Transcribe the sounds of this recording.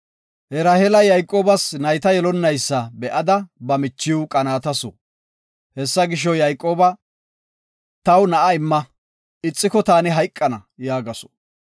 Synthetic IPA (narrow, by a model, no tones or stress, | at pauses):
hɛɾahelɐjɐjkʼo̞ːbɐsnɐjt̪ɐjɛlɔnːɐjsːɐbɛʔɐd̪ɐbɐmɪt͡ʃːɪwkʼɐnaːt̪ɐsɔ̰ | hɛsːɐɡɪʃ̬ɔjɐjkʼːo̞ːbɐ | t̪ɐwnɐʔɐɪmːɐ | ɪt͡sʼːɪkɔt̪aːnɪɦɐjkʼːɐnɐjaːɡɐsɔ̥